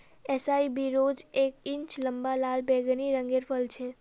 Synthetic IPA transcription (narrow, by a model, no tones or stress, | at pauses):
ɛsaibiɾod͡ʒek̚ɪ̃ɲt͡ʃləmbalalbɛɡniɾəŋɡeɾfəlt͡ʃʰe